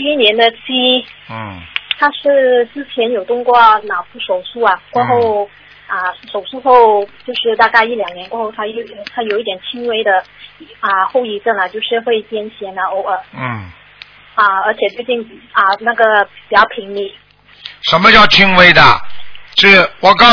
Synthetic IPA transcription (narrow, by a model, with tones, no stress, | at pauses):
i˥˧i˥njɛ˧˥nd̪ə˧t͡ɕʰi˥˩ | t̪ʰa˥ʂɻ̩˥˧sɹ̩˥t͡ɕʰjɛ˧˥njo˨˩ʊt̪ʊ˥˧ŋkwɔ˥˩nɑ˨˩ʊfu˥˩ʂo˨˩ʊʂu˥ɐ˩kwɔ˥˧xo˥˩ʊ | ə˧ʂo˨˩ʊʂu˥˧xo˥˧ʊt͡ɕjo˥˧ʊʂɻ̩˥˧t̪a˥˧ka˥˧ɪi˥˩ljɑ˨˩ŋnjɛ˧˥nkwɔ˥xo˥˩ʊt̪ʰa˥jo˥˩˥t̪ʰa˥jo˨˩ʊi˥t̪jɛ˨˩nt͡ɕʰi˥ŋwe˥ɪd̪ə˧ə˧xo˥˧ʊi˧˥ʈ͡ʂə˥˩nə˩t͡ɕjo˥˧ʊʂɻ̩˥˧xwe˥˩ɪt͡ɕjɛ˥nɕʰjɛ˧˥nə˧o˧˥ə˧˩˥ | ə˥˧ə˞˧˥t͡ɕʰjɛ˨˩t͡s̪we˥˧ɪt͡ɕi˥˩ŋn˩ə˧na˥˩ɡə˩pi˨˩t͡ɕjɑ˥˩ʊpʰi˧˥ŋli˧˥˩ | ʂə˧˥nmə˧t͡ɕjɑ˥˩ʊt͡ɕʰi˥ŋwe˥ɪd̪ə̰˨ʂɻ̩˥˩wɔ˨˩kɑ˥˧